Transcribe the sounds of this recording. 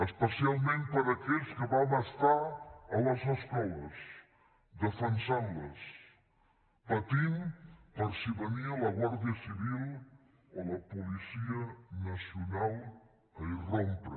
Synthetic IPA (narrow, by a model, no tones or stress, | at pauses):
əʃpəsialˠmẽnt̪̚pɐɾɐːkelskɨβaw̃nɐʃt̪aɾɐlɐzɐʃkɔlɐz | ðəfɐnsanlɐs | pɐt̪inpɐɾsiβɐniɐlɐɣwaɾðjɐsiβilˠ | olɐpulisiɐnɐsiunalˠ | ɐjrõmpɾɐ̰